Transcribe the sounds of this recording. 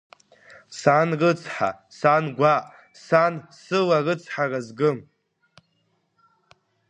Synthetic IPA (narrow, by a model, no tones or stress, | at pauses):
sanrɨt͡sʰħa̰sanɡʷaʔʼ | sansɨlarɨt͡sʰħarazɡɨm